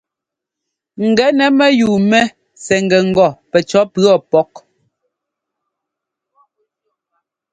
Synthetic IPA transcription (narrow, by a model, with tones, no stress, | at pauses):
ŋ̩˨ɡɛ˨˦nɛ˨˦mɛ˦juː˨mɛ˦ | sɛ˨ŋ˨ɡɛ˨ŋ̩˨ɡɔ˨pɛ˨t͡ʃɔ˦pɰɔ˦˨pɔ˦k̚